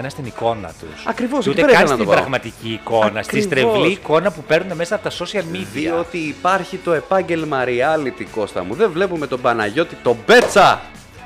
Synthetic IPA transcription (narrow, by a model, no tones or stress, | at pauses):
ɐnɐst̪iniko̞nɐ̰t̪ṵsɐkɾivosut̪eɾeɐnisnɐt̪oipbɾɐɣmɐt̪iciːko̞nɐsist̪ɾevliiːko̞nɐpupe̞ɾnune̞me̞sɐpot̪ɐso̞siɐlmid̪ðiɐo̞t̪iːpɐɾçit̪o̞e̞pɐɲɟe̞lmɐɾiɐlit̪iko̞st̪ɐ̰muðevle̞pume̞t̪o̞bɐnɐʝo̞t̪it̪o̞be̞t͡sɐ